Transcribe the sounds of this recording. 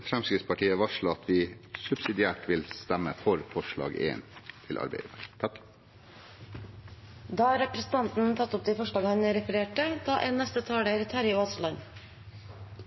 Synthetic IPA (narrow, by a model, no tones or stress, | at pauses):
fɾɛmskɾɪt̪spʰɑʈʰiːəʋɑʂləɑt̪ʰʋɪsʉbsɪd̪ɪæːʈʋɪlst̪æməfɔɾfɔʂɭɑ̰ːɡḛːnt̪ʰɪlʔɑ̰ɾbḛɪd̪æt̪ʰɑk | d̪ɑːhɑɾɛpɾəsn̩t̪ʰɑnt̪n̩t̪ʰɑt̪ːʊp̚d̪ɛːfɔʂɭɑːɡəhɑnəɾɛfəɾeːʈəd̪̥ɑːʔeːnːɛst̪ət̪ʰɑːɽəæɾt̪ʰæɾɪoːslɑn